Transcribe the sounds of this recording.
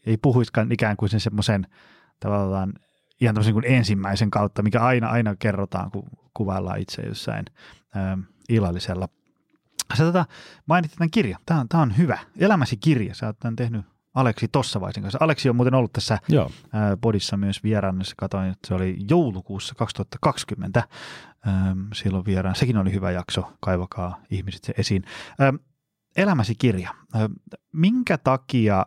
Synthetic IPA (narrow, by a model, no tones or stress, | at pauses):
eipuhuiskɑnikæːŋkusensemːosen | t̪ɑʋɑlːɑːn | ihɑnæməsenŋikunensimːæiseŋkɑut̪ːɑmikæɑinɑʔɑinɑkerːot̪ɑ̰ːŋkṵkuʋɑlːɑ̰ːḭt̪sḛjo̰sːɑ̰in | əː | ilːɑlːiselːɑ | set̪ot̪ɑmɑinit̪ːit̪ækirjɑt̪æːont̪æːonhyʋæelæmæsikirjɑsɑt̪ːɑnt̪ehny | ɑleksit̪osːɑʋɑ̰isiŋkɑnsɑleksiomuːt̪enolːut̪t̪æsːæo̰ːpodisːɑmyøsʋierɑːnːɑsːɑ̥kɑt̪oinet̪ːseolijoulukuːsːɑkɑkst̪uhɑt̪ːɑkɑkskymːḛnt̪æəːsilːoʋʋieɾɑːnsekinolihyʋæ̰jɑksokɑiʋɑkɑːihmise̥t̪jɑʔesiːnəːm | elæmæsikirjɑː | miŋkæt̪ɑkiɑ